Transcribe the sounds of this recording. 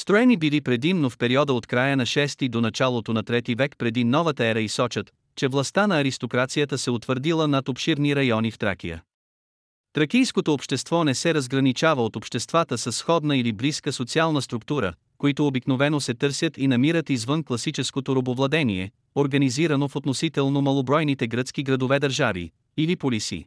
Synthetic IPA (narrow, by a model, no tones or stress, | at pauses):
st̪ɾoɛnibilipɾɛd̪imnofpɛɾiɔd̪əot̪kɾajənɐʃɛst̪id̪onɐt͡ʃalˠot̪onɐt̪ɾɛt̪ivɛkpɾɛd̪inɔvət̪əɛɾəisɔt͡ʃət̪ | t͡ʃɛvlˠɐst̪anɐːɾist̪okɾat̪sijət̪əsɛot̪vəɾd̪ilˠənɐt̪opʃiɾniɾɐjɔnift̪ɾa̰kʲḭjə̰ | t̪ɾɐkijskot̪oːpʃt̪ɛst̪vɔnɛsɛɾɐzɡɾɐnit͡ʃavəot̪opʃt̪ɛst̪vat̪əsɐsːxɔd̪nəilibliskəsot̪sialˠnəst̪ɾuk̚t̪uɾə̰ | koit̪oːbiknovɛnosɛt̪ɤɾsʲət̪inɐmiɾət̪izvənklˠɐsit͡ʃɛskot̪oɾobovlˠɐd̪ɛnḭɛ̰ | oɾɡɐniziɾənofot̪nosit̪ɛlˠnomɐlˠobɾɔjnit̪ɛɡɾət̪skiɡɾɐd̪ovɛd̪ɐɾʒavḭ | ilipolisḭ